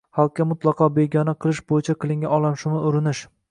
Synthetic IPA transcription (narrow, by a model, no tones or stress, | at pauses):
halˠkʲːamʊt̪lˠɑqʰɒbe̞ɡʲɒnaqʰɨlˠɪʃbojɪt͡ʃʰaqʰɨlˠɪŋɡʲaɒlˠamʃʊmɪʊɾɪnɪʃ